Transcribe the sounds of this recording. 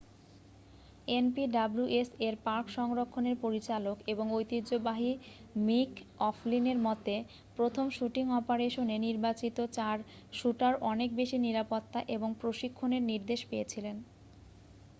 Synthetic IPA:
enpiɖabluʔeseɾpaɾkʃɔŋɾokʰːoneɾpoɾit͡ɕalokeboŋojt̪id͡ʑobaɦimikɔflineɾmɔt̪e | pɾot̪ʰomʃuʈiŋɔpaɾeʃoneniɾbat͡ɕit̪ot͡ɕaɾ | ʃuʈaɾɔnek̚beʃiniɾapot̪ːaʔeboŋpɾoʃikʰːoneɾniɾd̪eʃpejet͡ɕʰilen

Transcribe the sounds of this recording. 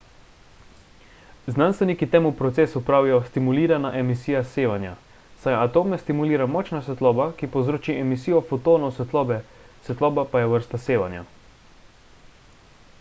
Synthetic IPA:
znanst̪ʋɛnikit̪eːmupɾɔt̪seːsupɾaːwijɔst̪imuliːɾanaʔɛmisiːjaseːʋanja̰ | sajat̪oːmɛst̪imuliːɾamɔːt͡ʃnasɛt̪lɔːbakipɔwzɾoːt͡ʃiɛmisiːjɔfɔt̪oːnɔsɛt̪lɔːbɛ | sɛt̪lɔːbapajɛʋəɾst̪aseːʋa̰nja̰

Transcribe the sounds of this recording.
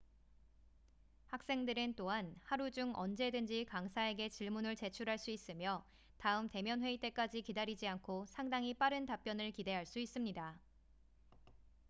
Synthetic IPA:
hak̚s͈e̞ŋdɯɾɯnt͈oɦanhaɾud͡ʑuŋʌ̰nd͡ʑe̞dɯnd͡ʑikaŋsʰae̞ɡe̞t͡ɕiɭmunɯɭt͡ɕe̞t͡ɕʰuɾɦaɭs͈uis͈ɯmjʌ | taɯmte̞mjʌnɦwe̞it͈e̞k͈ad͡ʑikidaɾid͡ʑiankʰosʰaŋdaŋip͈aɾɯntap͈jʌnɯɭkide̞ɦaɭs͈uis͈ɯmɲida

